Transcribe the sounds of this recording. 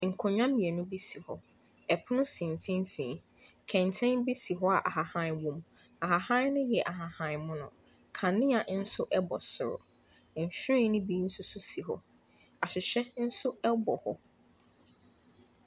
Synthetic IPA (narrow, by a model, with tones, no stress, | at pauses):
ŋ̩˨kʰɔ̃˨ɲᶣã˦mĩ˨ɛ˨nʊ̃˦bi˦si˨hɔ̰˨ | ɛ˨pʰʊ˦nʊ̃˦sĩ˨m˨fĩ˦m˦fĩ˨ | kʰɛ̃˨ntʰɛ̃˦nbi˦si˨ɦɔ˦a˨ʔa˨ɦa˨hã˦nwõ˨m | a˨ɦa˨hã˦nʊ̃˦jɛ˨ʔa˨ɦa˨hã˦˨nmʊ̃˦nʊ̰̃˨ | kʰã˨nɪ̃˦a˨ʔn̩˦sʊ˦ʔɛ˦bɔ˨sʊ̰˨ɾʊ̰˨ | ɲ̩˨ɕᶣɾɪ̃˦nʊ̃˦bi˦n̩˦sʊ˦sʊ˦si˨ɦɔ̰˦ | a˨ɕᶣɪ˨ɕɛ˦n̩˦sʊ˦ɛ˦bɔ˨hɔ̰˦